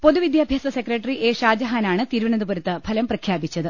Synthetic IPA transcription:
po̞ðuʋid̪jaːbʱjaːsɐsekrɐʈːɐriʔeːʂaːd͡ʑɐɦaːnaːɳɨt̪iːɾuʋɐɳɐðɐboɾɐt̪ːɨb̥ʱɐlɐmprɐkʰjaːbit͡ɕːɐðɨ

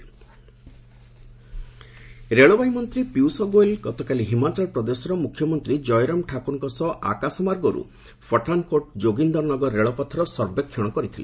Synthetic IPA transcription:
ɾeɭɔbajimɔnt̪ɾipiwsɔɡoelɡɔt̪ɔkaliɦimat͡ʃalpɾɔd̪esɔɾɔmukʰːjɔmɔnt̪ɾid͡ʒɔjɾɔmʈʰakunkɔsɔʔa̰kasɔmaɾɡɔɾṵ | pʰɔʈankoʈd͡ʒoɡind̪ɔɾnɔɡɔɾɔɾeɭɔpɔt̪ʰːɔɾɔsɔɾbekʰːjɔɽ̃ɔkɔɾit̪ʰile

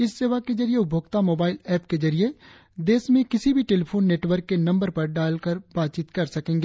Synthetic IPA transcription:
ɪsːeːʋaked͡ʒɐɾijeʊbʱoːɡt̪amoːbaːɪlɛːpked͡ʒɐɾie | d̪eːsmẽkɪsibʱiʈeːlpʰoːnːeːʈwʋəɾkːenɐ̃mbəɾpɐɾɖaːlkəɾbaːt̪̚t͡ʃiːt̪kɐɾsɐkẽːŋɡeː

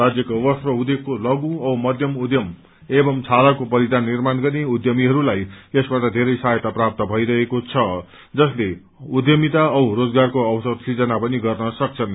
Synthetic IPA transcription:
ad͡zjʌkobʌst̪rʌud̪ekːolʌɡũʌwmʌd̪ʱjʌmud̪jʌm | ebʌmt͡sʰalakopʌɾid̪ʱanːirmanɡʌrneud̪jʌmiɦʌɾulajesbaʈʌd̪ʱeɾʌjsaɦjt̪aprap̚t̪ʌbʱʌjɾʌɦekot͡sʰʌ | d͡zʌsle | ud̪jʌmit̪aʌwrod͡zɡarkoʌwsʌd̪sid͡zʌnapʌniɡʌrnʌsʌk̚t͡sʰʌn

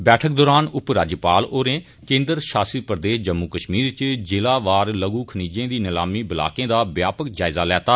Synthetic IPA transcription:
bɛːʈʰək̚d̪oːɾaːnʊpɾaːd͡ʒəpaːloːɾẽː | kẽːnd̪əɾʃaːsiːpəɾd̪eːʃd͡ʒəmːuːkəʃmiːɾt͡ʃd͡ʒɪlaːʋaːɾləɡuːkʰəniːd͡ʒẽːd̪iːnɪla̰ːmiːbɪla̰ːkẽːd̪aːbjaːpəkd͡ʒaːɪzaːlɛːt̪aː

